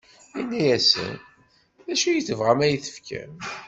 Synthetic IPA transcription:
inːæjæsə̰n | ðæʃujəθəvʁæmæjəθə̥fkæ̰m

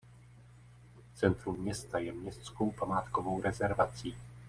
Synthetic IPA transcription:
t͡sɛnt̪ɾumɲɛst̪ajɛmɲɛst̪t͡sko̞wpamaːt̪kovo̞wɾɛzɛɾvat͡siː

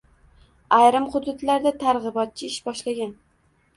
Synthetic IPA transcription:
ajɾɪmχʊd̪ʊt̪laɾd̪at̪ʰaɾʁɨbɒt̪̚t͡ʃʰɪɪʃbɒʃlaɡʲan

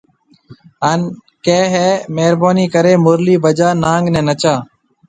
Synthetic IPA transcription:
aːn | kẽːɦɛːmeːɾbaːniːkəɾeːmʊɾliːbəd͡ʒaːnaːŋɡnɛ̃ːnət͡ʃaː

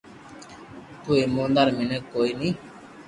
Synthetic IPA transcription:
t̪uːeːmõːnd̪aɾminekoːiːnĩː

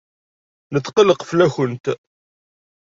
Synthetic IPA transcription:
nəθːqələqflæçənt̪

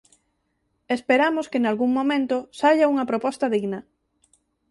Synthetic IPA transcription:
espeɾamoskenalɣuŋmõmẽnt̪ʊsaʎauŋɐpɾopɔst̪ɐðiɣnɐ

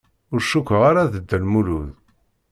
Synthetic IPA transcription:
ʊɾʃukʷːəʁaɾaðəd̪ːəlmuluð

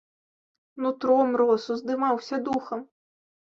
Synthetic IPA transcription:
nut̪ɾɔmɾɔsuzd̪ɨmawsʲɐd̪uxɐm

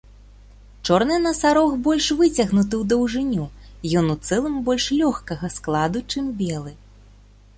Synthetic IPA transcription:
t͡ʂɔrnɨnɐsaɾɔxbɔlʲʂvɨt͡sʲɐɣnut̪̬ɨwd̪ɐwʐɨnʲujɔnut̪sɛlˠɨmbɔlʲʂlʲɔxkɐɣɐsklˠad̪ut͡ʂɨmbʲɛlˠɨ

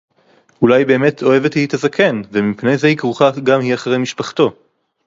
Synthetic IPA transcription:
ulajbe̞ːme̞tʰo̞e̞vetlit̪azakʰe̞nvemipne̞jzehikʁuχaɡamiaχaʁejmiʃpaχto̞

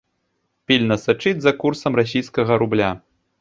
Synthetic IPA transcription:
pʲilʲnɐsat͡ʂɨd͡zʲzɐkursɐmras̬ʲijskɐɣɐɾublʲa

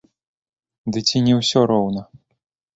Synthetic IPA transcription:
d̪ɨt͡sʲinʲɛwsʲɔɾɔwnɐ

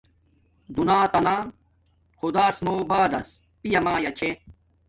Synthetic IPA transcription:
d̪unaːt̪ɐnaː | xud̪aːsmoːbaːd̪ɐs | pijɐmaːjɐt͡ɕʰe

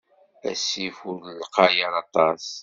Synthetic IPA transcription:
æ̰sifuɾlqɑjəɾɑt̪ˤɑs

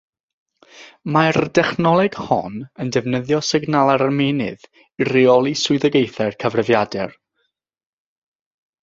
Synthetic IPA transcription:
mard̥ɛχnɔlˠɛɡ̥hɔ̰nəndɛvnəðjɔsɪɡnalˠaɾarmenɨ̰ð | riɔlˠisʊɨðəɡejθɛrkʰəvrəvjadɛr

